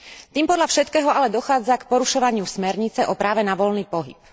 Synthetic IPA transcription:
t̪iːmpɔd̪ʎafʃɛt̪kɛːɦɔalɛd̪ɔxaːd͡zakpɔɾuʃɔʋaɲɪusmɛɾɲit͡sɛʔɔpɾaːʋɛnaʋɔlniːpɔɦḭp

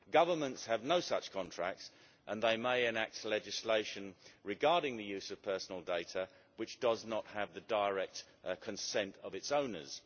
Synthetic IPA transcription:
ɡ̥ʌvə˞mə̃ntshɨvnoʊsʌt͡ʃkʰɑ̃ntʰɹ̥æ̰k̚ts | ʔə̃nðeɪmeɪɪ̃næk̚tʰlɛd͡ʒɨsleɪʃɨ̃nɹɨɡɑɹɾɪ̃ŋðɨjʉzʌv̥pʰɜ˞sn̩l̩ˠdeɪɾə | wɨt͡ʃd̥ʌznət̚həvðɨdəɪɹɛk̚t | kʰɨ̃nsɛ̃ntʰʌvɨtsõʊ̃nə̰˞z̥

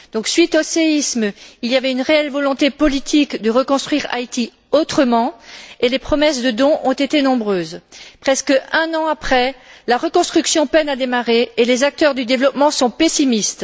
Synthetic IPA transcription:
d̪̥ɔ̃ksɥit̪oseismiljavɛynʁeɛlvɔlɔ̃t̪epɔlit̪ʰikd̪əʁəkɔ̃st̪χɥiʁa̰jt̪i | ot̪χəmɑ̃elepχɔmɛsd̪əd̪ɔ̃ʔɔ̃t̪et̪enɔ̃bʁøːzpχɛskəɛ̃nɑ̃apχɛlaʁəkɔ̃st̪χyksjɔ̃pɛnad̪emaʁeːlezak̚t̪œʁd̪yd̪evlɔpmɑ̃sɔ̃pesimist̪

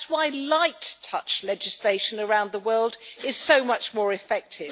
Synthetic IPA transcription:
waɪlaɪtʰʌt͡ʃlɛd͡ʒɨsleɪʃɨ̃nə˞ãʊ̃nðəwɜ˞lˠdɪz̥soʊmʌt͡ʃmɔːɹɨfɛk̚tʰɪv

